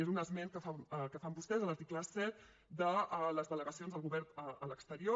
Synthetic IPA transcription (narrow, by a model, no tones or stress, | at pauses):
ezunəzmenkəfakəfambust̪ɛzələɾt̪ikləsɛt̪̚ | d̪ələzðələɣəsionzðəlˠɣuβɛɾəələkst̪əɾio